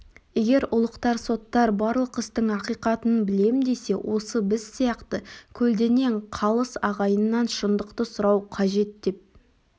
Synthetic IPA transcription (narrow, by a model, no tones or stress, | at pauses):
e̞ɡʲe̞ɾʊlˠəqt̪ɑɾso̞t̪ːɑɾbɑɾlˠəqəst̪əɴɑqijqɑt̪ənbɪle̞mɪnd̪e̞se̞wʔo̞səbɪz̥ːijɑqt̪əkʲʰɵld̪e̞ne̞ɴqʰɑlˠəsɑʁɑjənːɑnʃənd̪əqt̪əsʊɾɑwqʰɑʒe̞t̪̚d̪e̞p̚